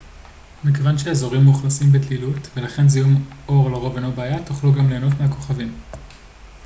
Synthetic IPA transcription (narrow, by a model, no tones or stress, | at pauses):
mikevanʃeazo̞ʁimːuχlasimbet̪lilutve̞laχe̞nzijumo̞ʁlaʁo̞venobeajatuχluɡamle̞ːno̞fmeako̞χavim